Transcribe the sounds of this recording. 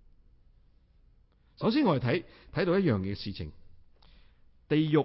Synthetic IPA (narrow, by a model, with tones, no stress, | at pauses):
sɐ˨˥ws̬iː˥nɔ˨˧je˨t̪ʰɐ˨˥jt̪ʰɐ˨˥jt̪o˧˥wjɐ˥t̚jœː˨ŋjɛː˨˧siː˨t͡sʰɪ̰˨˩ŋ | t̪e˨jjʊ˨